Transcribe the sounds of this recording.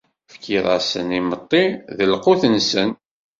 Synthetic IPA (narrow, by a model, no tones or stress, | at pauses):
fkiðˤɑ̰sə̰nimət̪ˤːiðəlqʊθənsən